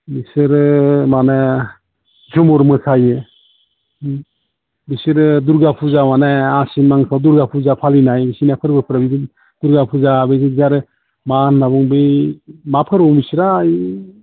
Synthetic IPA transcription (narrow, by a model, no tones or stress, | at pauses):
bisɯɾɯmana | d͡ʒumɔɾmɯkʰajɯ | bisɯɾɯduɾɡapʰuzamanaasinmaŋsʰaduɾɡapʰuzapʰalinajbisinapʰɯɾbɯpʰɯɾabid | d̥uɾɡapʰuzabezizaɾɯ | manːabuŋbɯjmapʰɯɾɔŋbisiɾaj